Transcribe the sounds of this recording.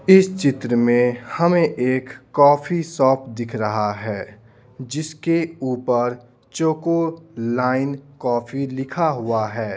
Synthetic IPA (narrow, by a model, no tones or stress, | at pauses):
ɪst͡ʃɪt̪ɾəmẽhɐmẽʔeːkːɔːfʰisɔːpʰd̪ɪkʰɾɐɦaɦɛː | d͡ʒɪskeuːpəɾ | t͡ʃoːkolaːɪnkɔːfʰilɪkʰaɦʊaɦɛː